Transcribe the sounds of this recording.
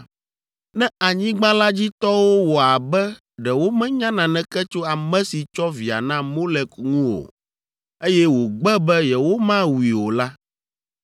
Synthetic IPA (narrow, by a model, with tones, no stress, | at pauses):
nɛ̃˦a˨ɲĩ˦ɡ͡bã˦la˦d͡ʑi˦t̪ɔ˦wo˦wɔ˨a˨bɛ˦ | ɖɛ˨wo˦mɛ̃˦ɲã˦nã˨nɛ̃˦kɛ˦t͡ʃo˦a˨mɛ̃˦si˨t͡ʃɔ˦vi˨a̰˨nã˦mo˦lɛ˨kŋũ˦wo̰˨ | e˦jɛ˦wo˨ɡ͡bɛ˦bɛ˦jɛ˨wo˦mã˦wi˨wo˨la˦